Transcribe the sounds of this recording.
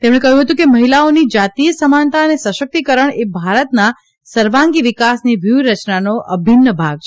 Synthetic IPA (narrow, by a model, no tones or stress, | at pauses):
t̪em̃ekəɦjũɦət̪ũkeməɦilaonid͡ʒat̪ijəsəmant̪aənesəʃək̚t̪ikəɾəɳebʱaɾət̪na | səɾʋãŋɡiʋikasniʋjuɾət͡ʃnanoʔəbʱinːəbʱaɡ̚t͡ʃʰ